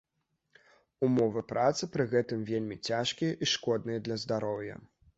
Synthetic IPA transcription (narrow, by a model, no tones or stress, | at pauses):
umɔvɨpɾat̪sɨpɾɨɣɛt̪ɨmvʲelʲmʲit͡sʲaʂkʲijɐʔiʂkɔd̪̚nɨjɐd̪lʲɐzd̪aɾɔwjɐ̰